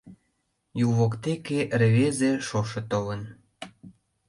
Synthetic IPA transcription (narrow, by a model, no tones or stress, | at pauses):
juβokt̪ekeʔreβezeʃoʃĕt̪olən